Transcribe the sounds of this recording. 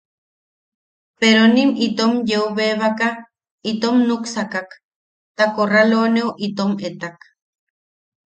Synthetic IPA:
peɾonimit̪omjeuβeːβaka | it̪omnuksakak | t̪akoraloːnewʔit̪omet̪ak

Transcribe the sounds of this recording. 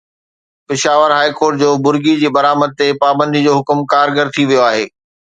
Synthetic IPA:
pɪʃaːʋəɾɦaːikoːɾʈ̚d͡ʑoːbʊɾɡid͡ʑiːbɐɾaːməd̪̚t̪epaːbə̃nd̪id͡ʑoːɦʊkmkaːɾɡəɾt̪ʰiʋijoaːɦeː

